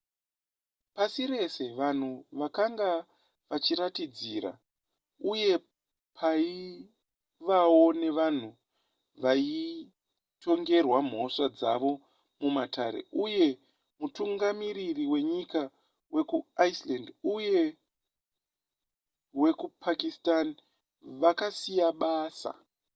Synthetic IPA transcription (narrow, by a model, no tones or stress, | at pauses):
pasiɾe̞se̞ʋan̤uʋakaŋɡa | ʋat͡ʃiɾatid͡ziːɾa̰ | uje̞ | pʰai | ʋawo̞ne̞ʋan̤u | ʋai | to̞ŋɡe̞rwam̤o̞ʂad͡za̰ʋo̞ | mumatʰaɾe̞̰ʔuje̞ | mutuŋɡamiɾiriwe̞ɲika | we̞kuaislanduje̞ | we̞kupʰakistan | ʋakasijaɓaːsa̰